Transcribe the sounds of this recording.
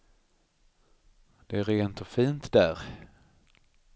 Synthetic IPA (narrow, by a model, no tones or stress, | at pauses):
d̪̥ɛæɾeːnt̪ɔfiːnt̪d̪æːɾ